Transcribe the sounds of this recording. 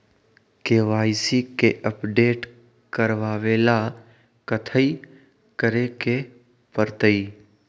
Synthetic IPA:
keːʋaːɪsikeʔəpɖeːʈ | kəɾʋaːʋeːla | kət̪ʰəi | kəɾeke | pəɾt̪əi

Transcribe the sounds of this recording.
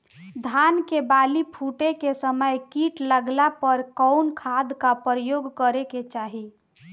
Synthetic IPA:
d̪ʱankebalipʰuʈekesəməjkiʈləɡlapəɾkɔʊnkʰad̪kapɾəjoːɡkəɾeket͡ʃaɦi

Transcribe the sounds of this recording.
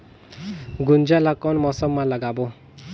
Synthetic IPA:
ɡund͡ʒalakɔnmɔsɔmːalaɡabo

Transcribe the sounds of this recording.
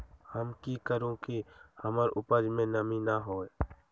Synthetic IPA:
həmkikəɾõkihəmaɾʊpəd͡ʒmẽnəminaɦoːe

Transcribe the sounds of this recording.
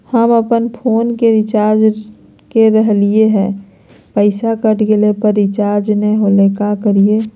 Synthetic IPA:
həməpənpʰoːnkeɾɪt͡ʃaːɾd͡ʒ | keɾəɦlieɦɛ̃ː | pəɪsakəʈɡelepəɾːɪt͡ʃaːɾd͡ʒneɦoːlekakəɾie

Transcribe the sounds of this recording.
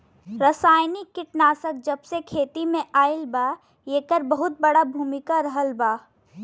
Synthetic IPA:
ɾəsaːjnikːɪʈnaːsək̚d͡ʒəbsekʰeːt̪imẽʔaːɪlbaː | jeːkəɾbəɦʊt̪̚bəɽabʱuːmɪkaɾəɦəlbaː

